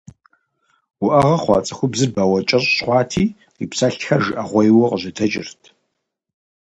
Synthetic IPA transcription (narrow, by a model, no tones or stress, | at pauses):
wʊʔɐʁɐχʷɑ̰ːt͡sʼɐxʷʊbzɨrbaːwɐt͡ʃʼɐɕʼɕχʷɑːtʰiː | ipsɐɬxɐʒɨʔɐʁʷɔjwɔqəʑɐtʰɐt͡ʃʼɪrtʰ